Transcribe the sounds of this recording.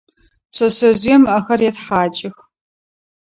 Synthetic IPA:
ɕʰɐsɐzijɛmɐxɐrjɛtħaːt͡ʃʼɪx

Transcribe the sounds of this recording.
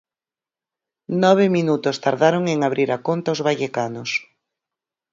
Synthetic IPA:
nɔβ̞ɪminut̪ʊst̪aɾðaɾoŋeŋaβɾiɾakont̪aozβaʎekanʊs

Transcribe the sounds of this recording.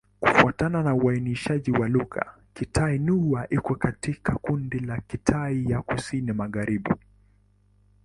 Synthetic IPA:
kufuatananauainiʃaʄiwaluɣa̰ | kitʰainuaʔikɔkatikʰakundilakitʰaijakusinimaɣaɾiɓḭ

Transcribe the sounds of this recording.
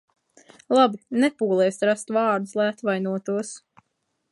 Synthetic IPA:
lˠabinɛpuːlˠɛjsɾast̪vaːɾd̪uslˠajat̪vajnuɔt̪uɔs

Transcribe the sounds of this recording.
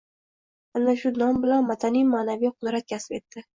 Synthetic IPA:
anːaʃʊnɒmbɪlanmat̪ʰanijmaːnavijqʰʊd̪ɾat̪̚kʲʰasɪ̥pe̞t̪ːɪ

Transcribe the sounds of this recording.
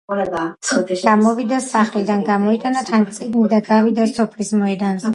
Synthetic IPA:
ɡ̥amɔvid̪asaχlid̪anɡamɔit̪ʼanat̪ʰant̪ʼiɡ̪nid̪aɡavid̪asɔpʰlismɔɛd̪ans

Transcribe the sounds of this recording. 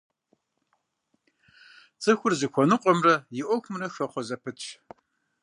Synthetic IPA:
t͡sʼɨxʷʊrzɨkʷʰɔnɨqʷʼɔmrɐjɪʔʷɔxʷmɨrɐxɐχʷɔzɐpʰɨtt͡ʃʰ

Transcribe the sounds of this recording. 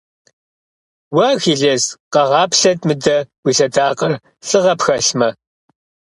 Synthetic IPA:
wɐxiːɮɐzqɐʁɑːpɬɐtmɨdɐwʷiːɬɐdaːqɐr | ɬʼɨʁɐpxɐɬmɐ

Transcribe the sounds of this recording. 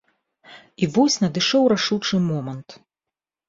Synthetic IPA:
ivɔsʲnɐd̪ɨʂɔwɾaʂut͡ʂɨmɔmɐnt̪

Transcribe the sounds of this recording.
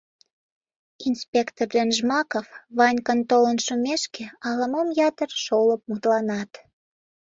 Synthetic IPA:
inspʲekt̪ord̪enʒmɑkofβɑnʲkənt̪olənʃumeʃkeɑlɑmomjɑt̪ərʃoləp̚mut̪lɑnɑt̪

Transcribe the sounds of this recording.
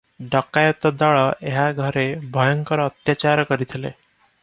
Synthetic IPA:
ɖɔkajɔt̪ɔd̪ɔɭɔʔeɦaɡʱɔɾebʱɔjɔŋkɔɾɔːt̪jat͡ʃaɾɔkɔɾit̪ʰilḛ

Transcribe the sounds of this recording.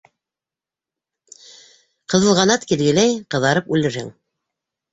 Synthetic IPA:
qɤ̆ðɤ̆lˠʁɑnɑt̪kilɡɘ̆læjqɤ̆ðɑɾɤpʉlɘ̆ɾhɘ̰ŋ

